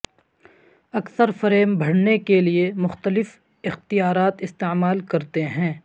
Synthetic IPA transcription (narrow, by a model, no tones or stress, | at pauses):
ɐksəɾfɐɾeːmbʱɐɽ̤nekeliemʊxt̪əlɪf | ɪxt̪ijaːɾaːt̪ɪst̪emaːlkɐɾt̪eɦɛ̃ː